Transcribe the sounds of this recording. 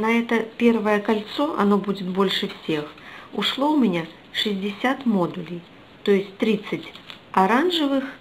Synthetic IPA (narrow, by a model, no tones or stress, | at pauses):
nɐɛt̪ɐpʲɛrvɐjɛkalʲt̪sɔʔa̰nɔbud͡zʲɪt̪bɔlʲʂɨfsʲɛxuʂlˠɔwmʲɪnʲa | ʂɨzʲd͡zʲɪsʲat̪mɔd̪ulʲij | t̪ɔjɛsʲtʲt̪ɾʲɨt̪sːɐt͡sʲ | aɾanʐɨvɨx